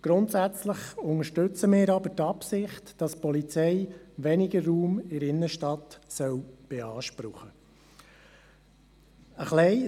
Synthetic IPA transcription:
ɡ̥ɾʊntsæt͡sləχʊŋəʃtɵt͡səmɪːɾɑbətɑpsɪχtd̥ɑspɔlit͡sɛɪʋɛnɪɡəruːmɪɾɪnːəʃtɑtsœwb̥eɑːʃpɾʊχə | əχlɛɪ

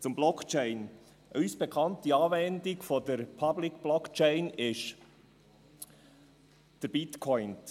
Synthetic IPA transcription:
t͡sʊmblɔkt͡ʃɛɪn | ʔœsb̥ekʰɑntdiɑːvɛndɪɡfodəɾpʰɑblɪkb̥lɔkt͡ʃɛɪnɪʃ | d̥əɾb̥ɪtkʰɔʏn

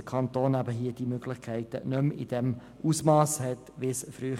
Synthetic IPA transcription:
əkʰɑnt̪oːnæbəɦiːd̥imøɡlɪχkʰɛɪtə̰nømḭd̥ɛm | ʔusmɑːshɛtʋisfɾyː

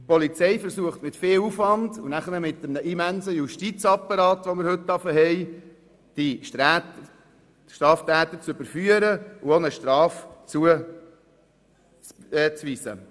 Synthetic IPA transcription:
pɔlit͡sɛɪfəɾsuəχtmɪtfeːlufvɑndunæχənəmɪt̪ːəmnəʔimænsəjuʃtit͡sɑpːɑɾɑːtʋomɪɾhɵtdɑfəɦɛɪ | d̥iʃ | ʃtɾɑːft̪æːt̪ət͡søb̥əɾfyəɾəuonəʃtɾɑːft͡suə | t͡sɛt͡sʋiːsə̰

